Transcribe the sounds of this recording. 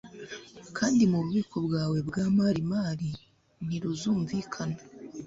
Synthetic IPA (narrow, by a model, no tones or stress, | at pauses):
kʰaːndimuβuβiːkʰo̞bɡaːwe̞bɡaːmaːɾimaːɾi | niɾuzuːɱviːkʰana